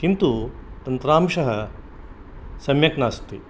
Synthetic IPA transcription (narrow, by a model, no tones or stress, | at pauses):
kint̪ut̪ɐnt̪ɾaːmʃɐɦɐ | sɐmjɐknaːst̪ḭ